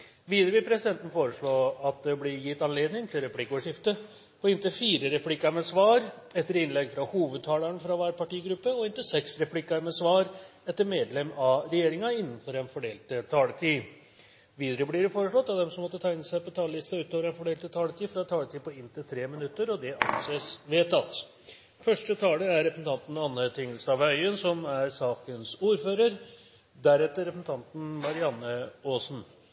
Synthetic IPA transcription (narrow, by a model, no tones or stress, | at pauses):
ʋiːd̪ɾəʋɪpʰɾɛsɪd̪ɛnt̪n̩foːɾəʂɭoːɑt̪̚d̪ɛblɪɾjɪt̪ːɑnleːd̪nɪŋt̪ʰɪlɾɛpʰlɪkːəɔːʋʂɪft̪ə | pʰɔɪnt̪ɪlfiːɾəɾɛpʰlɪkːɑɾmɛsʋɑːɾ | ɛt̪ːəɾɪnlɛɡfɾɑhuːʋəd̪̚t̪ʰɑːləɳfɾɑʋæːɾpɑʈiːɡɾʉpːəɔɪnt̪ɪlsɛksɾɛpʰlɪkːɑɾmɛsʋɑːɾɛt̪ːəɾmeːd̪lɛmɑɾɛjeːɾɪŋɑɪnːn̩fɔɾɛnfɔɖeːlt̪ət̪ʰɑːlət̪ʰiː | ʋiːd̪əɾəbliːɾfoːɾəʂɭɔt̪ːɑt̪̚d̪ɛmsɔmːɔt̪ːət̪ʰæːɪɪnəsæɪpɔt̪ʰɑːləlɪst̪ɑʉːt̪oːʋəɾɛnfɔɖeːlt̪ət̪ʰɑːlət̪iːfɾɑt̪ʰɑːlət̪iːpɔɪnt̪ʰɪlt̪ʰɾeːmɪnʉt̪ːəɾɔd̪ɛʔɑ̰nseːsʋeːt̪ɑt̪ | fœʂʈət̪ʰɑːləæɾːɛpɾəsn̩ɑnt̪n̩ɑnːət̪ʰɪŋːəlst̪ɑʋœʏənsɔmæɾsɑːkənsuːɾføːɾəɾ | d̪æɾɛt̪ːəɾɛpsn̩t̪ʰɑnt̪n̩mɑɾɪɑnːəoːsn̩